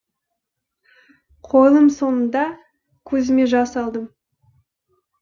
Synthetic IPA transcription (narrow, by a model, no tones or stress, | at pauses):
qʰo̞lˠəmso̞nənd̪ɑ | kʲʰɵzɪme̞ʒɑsɑlˠd̪əm